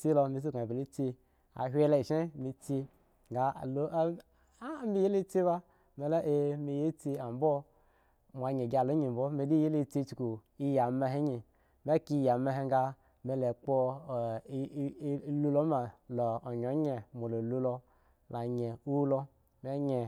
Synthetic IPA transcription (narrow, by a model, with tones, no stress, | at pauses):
ti˦lo˧mi˨s̬i˦ka˨be˨li˦t͡si˦ | a̰˨ɦʷe˦la˦i˨ʃe˦mi˨˦t͡si˧ | ɡa˨˦˨lo˦ | mi˦je˦le˦t͡si˦ba˦ | me˨la˦ʔe˦mi˨je˦t͡si˦a˨m˦bo˦ | mʷ˨a˨ɲe˨ɡa˨lo˦ɲi˨m̩˨bo˦me˨di˦je˦le˦t͡si˦t͡ʃu˨ku˨ | i˦ja˨me˧ɦe˦ɲi˨ | me˦ki˦ja˨me˦ɦe˦ŋ˦ɡa˦ | me˨le˨k͡po˦˨˦ | lu˦lo˦ma˨loː˨ɲ˨o˨˦ɲe˨mo˨lo˨lu˦lo˧ | la˨ɲe˨u˦lo˦ | me˦ɲe˨